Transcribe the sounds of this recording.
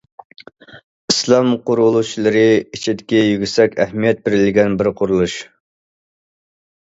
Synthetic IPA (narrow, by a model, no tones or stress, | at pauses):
islˠɑmqʊɾulˠut͡ʃʰlˠɨɾɨit͡ʃʰid̪ɪkʲijyɡʲysɛkʲɛhmijɛt̪̚bɪɾɪlɪɡʲɛnbɪɾqʰʊɾulˠuʃ